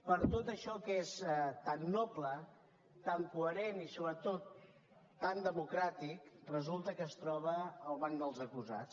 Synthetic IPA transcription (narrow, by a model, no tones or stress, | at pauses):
pəɾt̪ot̪əʃɔkesɛt̪anːɔplə | t̪aŋkuəɾenisoβɾət̪ot̪ː | and̪əmukɾat̪ikrəzulˠt̪əkəːst̪ɾɔβ̞əːlˠβaŋd̪əlˠzəkuza̰t͡s